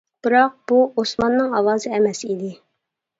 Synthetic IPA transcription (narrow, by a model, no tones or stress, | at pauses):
b̥ɨɾɑq̚b̥uosmɑnːɨŋɑwɑːzɨɛmɛsid̪ɪ